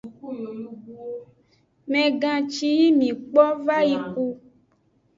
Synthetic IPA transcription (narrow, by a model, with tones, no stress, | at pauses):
mɛ̃˨ɡã˨t͡ʃi˧ji˦mĩ˨k͡pɔ˦va˦ji˧ku˧